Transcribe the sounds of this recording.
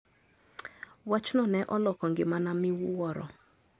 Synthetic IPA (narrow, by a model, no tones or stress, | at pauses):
wat͡ʃnɔnɛʔɔlɔkɔŋɡɪmanamɪwwɔɾɔ̰